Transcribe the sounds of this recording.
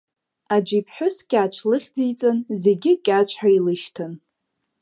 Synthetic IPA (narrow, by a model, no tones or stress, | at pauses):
ad͡ʒʷipʰħʷᶣʊskʲʼaːt͡ʃʷʰlɨχʲd͡zijt͡sʼɨnze̞ɡʲɪkʲʼat͡ʃʷʰħailɨʃtʰɨn